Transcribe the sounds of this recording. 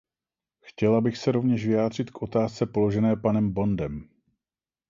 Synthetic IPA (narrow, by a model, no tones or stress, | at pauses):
xcɛlabɪxsɛɾo̞vɲɛʃvɪjaːd̪r̝ɪt̪kʔo̞t̪aːst͡sɛpo̞lo̞ʒɛnɛːpanɛmbo̞ndɛm